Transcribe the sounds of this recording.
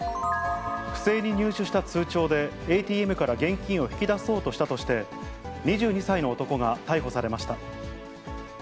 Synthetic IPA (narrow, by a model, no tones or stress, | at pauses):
ɸɯ̟̥se̞ːɲ̟iɲ̟ɨːɕɨɕi̥t̪at͡sɨːt͡ɕo̞ːd̪e̞ | eːt̪ʲiːe̞mɯ̟kaɾaɡẽ̞ŋkʲĩɰ̃o̞çi̥kʲid̪aso̞ːt̪o̞ɕi̥t̪at̪o̞ɕi̥t̪e̞ | ɲ̟iʑɨːɲ̟isaino̞ːt̪o̞ko̞ɡat̪aiɦo̞saɾe̞maɕi̥t̪a